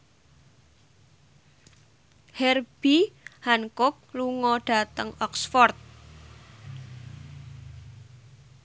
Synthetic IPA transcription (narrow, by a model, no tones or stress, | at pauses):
hɛrb̥ihankʊk̚luŋɔɖ̥a̤t̪əŋɔksfɔrt̪̚